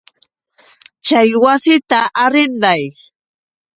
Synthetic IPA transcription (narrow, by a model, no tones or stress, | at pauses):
t͡ʃajwasɪt̪aʔaɾɪnd̪aj